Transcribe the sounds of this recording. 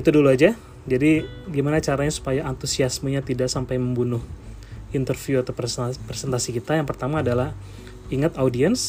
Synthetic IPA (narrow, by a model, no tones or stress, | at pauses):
it̪uduluad͡ʒa | d͡ʒadiɡimanat͡ʃaɾaɲasu̥pajaʔːnt̪usiasməɲat̪idaʔsampajməmbunʊh | int̪ərfjuat̪apɾesɛnt̪asikit̪ajaŋpərt̪amaːdalah | iŋat̪audiɛns